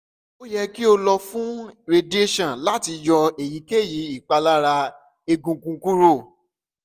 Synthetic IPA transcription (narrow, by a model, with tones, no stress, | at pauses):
o˦jɛ˧ki˦o˧lɔ˧fũ˦ɾe˧de˦ʃɔ̃˨la˦ti˧jɔ˧e˨ji˨˦ke˦˨ji˨˦i˦˨k͡pa˧la˦ɾa˧ | e˧ɡũ˧kũ˧ku˦ɾo˦˨